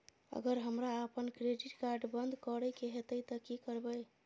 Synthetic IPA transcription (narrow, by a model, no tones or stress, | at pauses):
ə̰ɡəɾɦəmɾaəpənkɾeɖiʈkaɾɖbənd̪ʱkəɾəjkeɦet̪əjt̪əkikəɾbəj